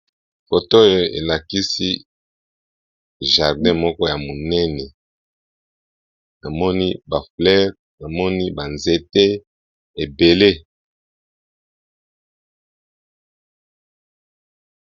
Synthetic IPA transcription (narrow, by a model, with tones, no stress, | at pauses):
fo˨to˦jo˦ḛ˨la˨ki˦si˦ | ʒa˨ʁdɛ̃˦mɔ˦kɔ˦ja˨mo˨nɛ˦nɛ˨ | na˨mɔ˦ni˦ba˨flɛ˦ʁ | na˨mɔ˦ni˦ba˨nze˨te˦ | e˨be˨le˦